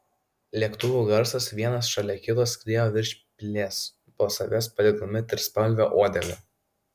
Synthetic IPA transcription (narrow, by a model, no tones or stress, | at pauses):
lʲiɛkt̪ʊʋʲuːɡɐɾsɐsʋʲiɛnɐsʃɐlʲɛkʲɪt̪oːskɾʲiɛjoːʋʲɪɾʲʃʲpʲlʲeːs | poːsɐʋʲɛspɐd̪ʲɪd̪omʲɪt̪ʲɪɾspɐlʲʋʲoːʔoːd̪ʲɛlʲɛ